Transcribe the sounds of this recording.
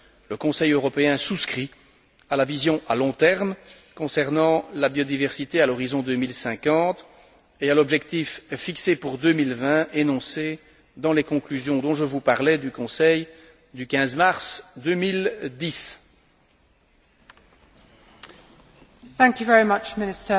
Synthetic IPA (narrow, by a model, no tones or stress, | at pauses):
ləkɔ̃sɛjøʁɔpeɛ̃suskχi | alavizjɔ̃ʔalɔ̃t̪ɛʁmkɔ̃sɛʁnɑ̃labjɔd̪ivɛʁsit̪ealɔʁizɔ̃d̪ømilsɛ̃kɑ̃t̪ | ealɔbʒɛkt̪ifːiksepuʁd̪ømilvɛ̃enɔ̃se | d̪ɑ̃lekɔ̃klyzjɔ̃d̪ɔ̃ʒəvupaʁlɛd̪ykɔ̃sɛj | d̪ykʲɛ̃zmaʁsd̪ømild̪is | θæ̃ŋkjuvɛɹimʌt͡ʃmɪnɪstə